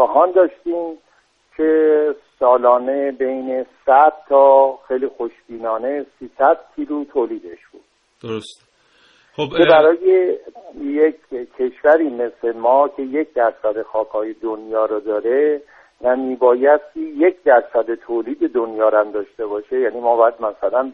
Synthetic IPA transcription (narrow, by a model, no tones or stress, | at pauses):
bæɦɒːnd̪ɒːʃt̪iːm | cʰe̞sɒːlɒːne̞be̞jne̞sæd̪̥̚t̪ʰːɒːxejliːxo̞ʃbiːnɒːne̞siːsæd̪̥̚kʰiːlut̪ʰoːliːd̪e̞ʃb̥ṵːd̥̪̚ | d̪oos | okʰebæɾɒːje | jecʰːe̞ʃvæɾiːme̞sle̞mɒːcʰe̞jecʰd̪æɾsæd̪e̞xɒːkʰɒːje̞d̪onjɒːɾɔd̪ɒːɾe | næmiːbɒːjæst̪iːje̞cʰd̪æɾsæd̪e̞t̪ʰoːliːd̪e̞d̪onjɒːɾæmd̪ɒːʃt̪e̞bɒːʃe̞jæniːmɒːbɒːjæd̪mæsælæn